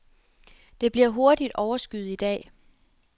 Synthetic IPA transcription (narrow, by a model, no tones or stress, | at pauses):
d̥e̝b̥liɐ̰ɦo̝ɐd̥id̥ɒʊɐsɡ̥yð̩ˠid̥ɛ̰ː